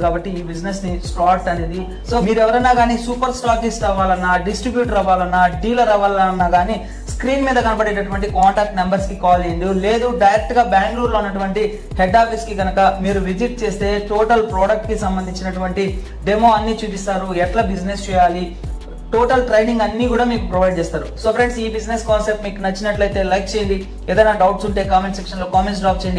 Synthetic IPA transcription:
kaːbɐʈːiːbid͡ʒnesnisʈaːʈːɐneːd̪i | so̞ːmiːɾɛʋɐɾɐjnːaːɡaːniːsuːpɐɾsʈaːʈisɾɐʋaːlɐnːaːɖisʈɾibjuːʈɾɐʋaːlɐnːaːɖiːlɐɾɐʋɐːlɐaɐnːaːɡaːniː | skɾiːnmiːd̪ɐkɐnɐpɐɽeːʈɐʈuʋɐɳʈikaːɳʈaːk̚ʈnɐmbɐɾskikaːlɐjind̪ile̞ːd̪uɖɐjɾɐk̚t̪uɡaːbjaːŋɡluːɽloːunːɐʈ̬uʋɐɳʈi | hɛɖːaːpiskiɡɐnɐkɐmiːɾuʋid͡ʒiʈ̚t͡ʃe̞ːst̪e̞ːʈoːʈɐlpɾoːɽɐk̚ʈkisɐmbɐnd̪iɲt͡ʃinɐʈuʋɐɳʈi | ɖemo̞ːɐnːit͡ʃuːd̪ist̪aːɾuɛʈlɐbid͡ʒnest͡ʃɛːjaːli | ʈoːʈɐlʈɾɐjniŋɡɐnːiːkuːɽaːmiːkupɾɐʋɐjɖ̚t͡ʃeːst̪aːɾusoːfɾeɳɖsiːbid͡ʒneskaːnsep̚ʈmiːkunɐt͡ʃːinɐʈlɐjt̪e̞ːlɐjk̚t͡ʃejind̪i | ɛːd̪ɐjnaːɖɐwʈsuɳʈe̞ːkaːmenʈsekʂɐnloːkaːmens̬ɖaːp̚t͡ʃejɐɳɖi

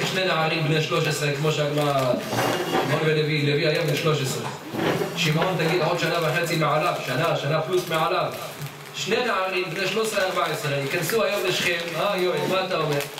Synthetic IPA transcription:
ʃnenaʕaɾimbneʃloʃəsɾekmoʃaɡma | mabelevileviajamlɪʃloʃəsɾḛ | ʃimʕont̪aɡid̪ħud̪ʃanavaxat͡simɪʕalafʃanaʃanaflusmɪʕalaf | ʃnenaʕaɾiːmbneʃlosɾeɑɾbaʕesɾejɪkansuajːomlɪʃxemʔajoʕimat̪awe

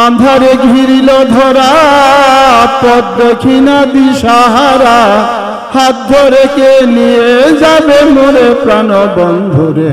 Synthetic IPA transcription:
and̪ʱaɾeɡʱiɾilod̪ʱɔɾa | pɔd̪̚bokʰinabiʃaɦaɾa | hat̪̚d̪ʱoɾekenied͡ʑabemoɾepɾanɔbɔnd̪ʱoɾe

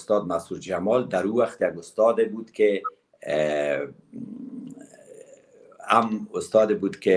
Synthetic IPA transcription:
st̪ɔd̪masuɾd͡ʒamɔld̪aɾuwaxt̪jaɡʊst̪ɔd̪ebud̪ke | amʊst̪ɔd̪ebud̪ke

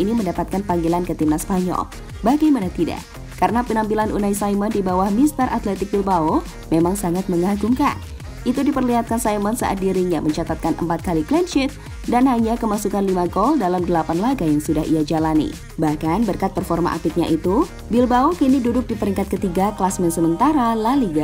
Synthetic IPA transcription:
ʔiniməndapat̪̚kanpaŋɡilankət̪imnaspaɲɔ̰l | baɡajmanat̪ida̰ʔ | kaɾənapinampilanʔṵnajsajmɔndibawahmist̪əɾʔat̪lɛt̪ɪk̚bilbao | memaŋsaŋat̪̚məŋaɡumka̰n | it̪udipərliɦat̪̚kansajmənsə̰ʔa̰t̪̚diɾiɲaməɲt͡ʃat̪at̪̚kanə̰mpat̪̚kaliklɛnʃɪt̪̚ | danɦaɲakəmasukanlimaɡɔldalamdəlapanlaɡajaŋsudaɦḭad͡ʒalanḭ | bahkanbərkat̪̚pərfɔrma̰ʔa̰pik̪̚ɲa̰ʔit̪u | bilbaokinidudʊk̚dipəɾiŋkat̪̚kət̪iɡakəlasmɛnsəmənt̪aɾalaliɡa

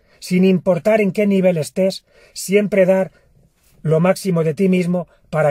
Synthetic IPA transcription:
sinimpo̞ɾt̪aɾe̞ŋke̞niβ̞e̞le̞st̪e̞sː | je̞mpɾe̞ð̞aɾ | lo̞maksimo̞ð̞e̞t̪imizmo̞ | paɾa

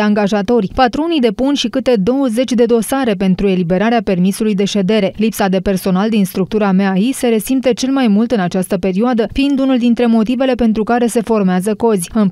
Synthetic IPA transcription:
aŋɡaʒat̪o̞rʲpat̪ɾo̞nid̪e̞punʃikɨt̪e̞d̪o̞wəze̞t͡ʃʲd̪e̞d̪o̞saɾe̞pe̞nt̪ɾue̞libe̞ɾaɾeape̞rmisulujd̪e̞ʃe̞d̪e̞ɾe̞lipsad̪e̞pe̞rso̞nald̪inst̪ɾuk̚t̪uɾameaise̞ɾe̞simpt̪ət͡ʃe̞lmajmult̪ɨnat͡ʃast̪əpe̞ɾioad̪əfiːnd̪unuld̪int̪ɾe̞mo̞t̪ive̞le̞pe̞nt̪ɾukaɾe̞se̞fo̞rmeazəko̞zʲɨn

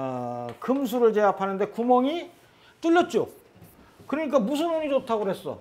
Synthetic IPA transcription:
kɯmsʰuɾɯɭt͡ɕeapʰanɯnde̞kumʌŋi | t͈uʎːʌt̚t͡ɕ͈o̰ | kɯɾʌɲik̬͈amus̬ʰɯnoɲit͡ɕotʰaɡoɦe̞s͈ʌ̰

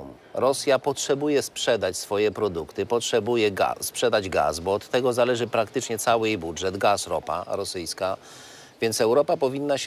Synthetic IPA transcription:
m | ɾɔsʲjapɔtʂɛbujɛspʂɛd̪at͡ɕsfɔjɛpɾɔd̪ukt̪ɘpɔtʂɛbujɛɡa̰spʂɛd̪ad͡ʑɡa̰sbɔɔt̪ːɛɡɔzalɛʐɘpɾakt̪ɘt͡ʂɲɛt̪sawɘjejbudʐɛd̪ɡasɾɔ̰pa̰ɾɔsɘjska | vʲjɛnt̪sɛwɾɔpapɔvʲinːaɕ

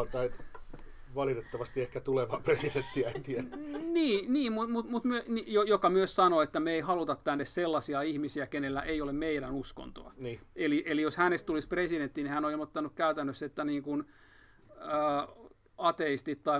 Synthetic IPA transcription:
t̪ɑi | ʋɑlit̪et̪ːɑʋɑst̪iehkæt̪uleʋɑːpresident̪ːiæent̪iæniːniːmmut̪mut̪mut̪myønijojokɑmyøssɑnoet̪ːæmeeihɑlut̪ɑt̪t̪ænːesselːɑsiɑihmisiækenelːæ̰ʔeiolemmeiɾænusko̰nt̪o̰ɑ̰nːeliʔelijoshænest̪t̪ulispresident̪ːinihænoilmot̪ːɑnukkæyt̪ænːøset̪ːæniːŋkun | əː | ɑt̪eist̪it̪t̪ɑi

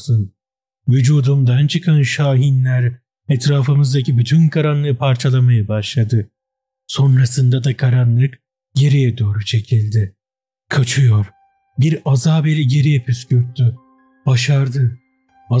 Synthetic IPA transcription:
sun | vyd͡ʒuːd̪umd̪ant͡ʃʰɯkʰanʃaːɦinlʲæɾ | ɛt̪ɾaːfɯmɯzd̪acʰibyt̪ʰynkʰaɾanlˠɯpʰaɾt͡ʃʰalˠamajabaʃlˠad̪ɯ | so̞nɾasɯnd̪ad̪akʰaɾanlˠɯk | ɟe̞ɾijɛd̪o̞ːɾut͡ʃʰe̞cʰilʲd̪ɪ | kʰat͡ʃʰɯjoɾ | biɾazaːbeɾiɟe̞ɾijɛpʰyscyɾt̪ʰːy | b̥aʃaɾd̪ɯ | a

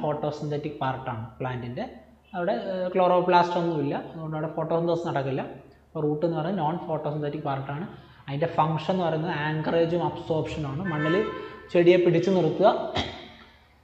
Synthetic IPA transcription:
fo̞ːʈːo̞ːsint̪ʰetːikːɨpaːrʈːaːɳɨpɭaːndinde̞ | ɐʋiɽe̞kloːroːpɭaːsʈʋɐnːuʋilːɐɐðuɣo̞ɳɖɐʋɽefo̞ːʈːosint̪esnɐɽɐkːilːɐ | ɐpːoruːʈːe̞nːɨpɐrɐɲːunoːnfo̞ːʈːosint̪etːikːpaːrʈːaːɳɨ | ɐðinde̞fɐŋʂnnːɨpɐrɐjunɐðɨaːŋɡɐre̞ːd͡ʑumɐbso̞ːrbʂɐnaːɳɨmɐɳːɐlɨt͡ɕeɽijepiɽit͡ɕːunirut̪ːuɣɐ

